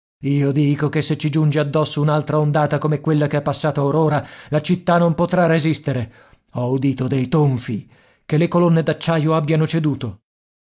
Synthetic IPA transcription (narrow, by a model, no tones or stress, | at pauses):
iːod̪iːkokesːet͡ʃːid͡ʒund͡ʒead̪ːɔsːounalt̪ɾaond̪aːt̪akomɛkwelːakeɛpːasːaːt̪aauɾoːɾalat͡ʃit̪ːanompot̪ɾarːezist̪eɾe | ɔud̪iːt̪od̪ejt̪oɱfi | kelːekolonːed̪at͡ʃːaːjoabːjanot͡ʃed̪uːt̪o